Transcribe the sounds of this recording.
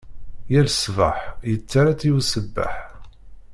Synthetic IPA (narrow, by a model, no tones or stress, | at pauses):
jælsva̰ħjət͡sːaɾat͡sːiusəbːa̰ħ